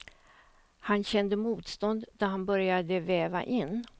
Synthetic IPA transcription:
hanɕɛnd̪əmuːt̪st̪ɔnd̪d̪æɾhanbœɾjad̪əvɛːva̰ʔɪnː

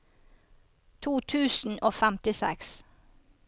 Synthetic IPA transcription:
t̪ʰuːt̪ʰʉːsn̩ʔoːfæmt̪ɪsɛ̰ks

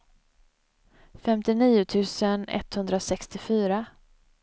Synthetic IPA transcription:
fɛmt̪ɪniːʊt̪ʰʉ̟ːsənɛ̰t̪ːhɵnd̪ɾasɛkst̪ɪfyːɾa

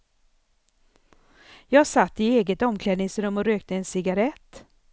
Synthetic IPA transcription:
jɑːɡsat̪ːɪeːɡət̪ɔmkʰlɛːd̪nɪŋsɾɵmːɔɾøːk̚t̪əɛnsɪɡaɾɛt̪ː

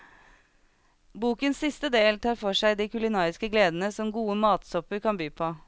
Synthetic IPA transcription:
buːkənsɪst̪əd̪eːlt̪ʰɑːɾfɔʂæɪd̪iːkʰʉlɪnɑːɾɪskəɡleːd̪n̩əsɔmɡuːəmɑːt̪sɔpəɾkʰɑnbyːpʰoː

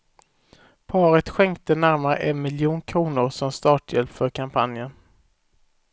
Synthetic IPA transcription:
pʰɑːɾət̪ɧɛŋkt̪ənæɾmaɾə̰ʔɛnmɪljuːnkʰɾuːnʊɾsɔmst̪ɑːʈʰjɛlpfœɾkʰampʰa̰njən

